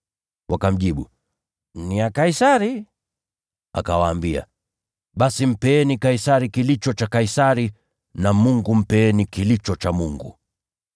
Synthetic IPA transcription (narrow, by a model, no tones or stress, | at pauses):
wʔakam̩ʄiɓu | niakaisaɾi | a̰kawaːmbia̰ | ɓasim̩pɛɛnikaisaɾikilit͡ʃɔt͡ʃakaisaɾi | namuŋɡum̩pɛɛnikilit͡ʃɔt͡ʃamuŋɡṵ